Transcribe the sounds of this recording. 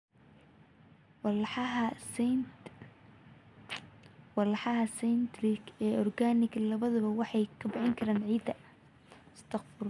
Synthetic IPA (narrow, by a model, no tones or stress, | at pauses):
w | wɑlħɑɦɐsɛnt̪ɾɪɡɛːɔrɡaːnɪɡlɐβɐðʊβɐwɑħɑjkʰɐbɪħɪŋkʰɐɾaːnʕiːd̪ɐ | ɪst̪ʰɐqfʊr